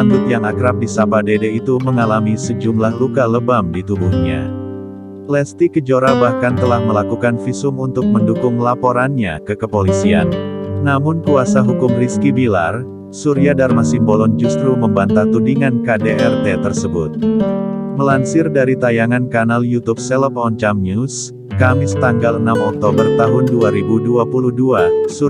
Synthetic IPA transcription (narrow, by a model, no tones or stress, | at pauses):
and̪ʊt̪̚jaŋakɾap̚disapadedeit̪uməŋalamisəd͡ʒumlahlukaləbamdit̪ubuhɲa̰ | lɛst̪ikəd͡ʒoɾabahkant̪əlahməlakukanfisʊmunt̪ʊk̚məndukʊŋlapoɾanɲakəkəpolisia̰nːamʊnkuasaɦukʊmriskibila̰r | suɾiadarmasɪmbolɔnd͡ʒust̪ɾuməmbant̪at̪udiŋankadeʔɛrt̪et̪ərsəbʊt̪̚ | məlansɪrdaɾit̪ajaŋankanaljut̪up̚sɛlɔp̚ɔnt͡ʃamnus | kamɪst̪aŋɡalənamɔk̚t̪obərt̪aɦʊnduaɾibuduapuluhduasu